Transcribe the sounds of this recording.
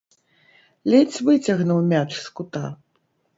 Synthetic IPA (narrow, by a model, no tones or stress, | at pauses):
lʲɛt͡sʲvɨt͡sʲɐɣnuwmʲat͡ʂskut̪a̰